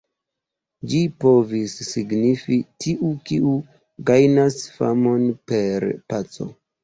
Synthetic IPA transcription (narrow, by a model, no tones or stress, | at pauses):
d͡ʒipo̞visːiɡnifitʰiʔukiʔu | ɡajnasfa̰mo̞npe̞ɾpat͡so̞̰